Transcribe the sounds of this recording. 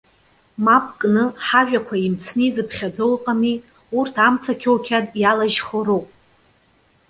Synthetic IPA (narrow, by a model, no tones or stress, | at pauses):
map̚ʰʼkʼnɨħaʒᶣakʷʰaimt͡sʰnɨizɨpʰχʲad͡zolqʼami | urtʰamt͡sʰakʲʰowkʲʰadʼjalaʒχoɾopʼ